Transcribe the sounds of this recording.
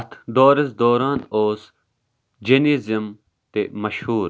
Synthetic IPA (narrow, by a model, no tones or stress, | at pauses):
t̪ʰd̪oːɾɐsd̪oːɾaːnoːs | d͡ʒineːzim | t̪emɐʃhuːɾ